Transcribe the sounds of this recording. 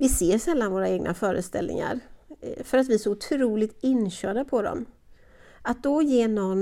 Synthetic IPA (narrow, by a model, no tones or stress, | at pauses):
vɪseːsɛlːanvoːɾaeːɡnʔa̰fœːɾə̰st̪ɛ̰lnɪ̰ŋa̰ɾfœɾat̪vɪsɔʊt̪ʰɾuːlɪɡ̚t̪ɪnɕœːɖapʰɔd̪ɔ̰m | at̪̚d̪ɔjeːnɔn